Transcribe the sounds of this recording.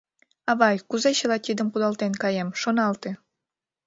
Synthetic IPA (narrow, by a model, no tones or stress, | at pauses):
ɑβɑjkuzet͡ɕəlɑt̪ʲid̪əmpud̪ɑlt̪enkɑjemʃonɑlt̪ĕ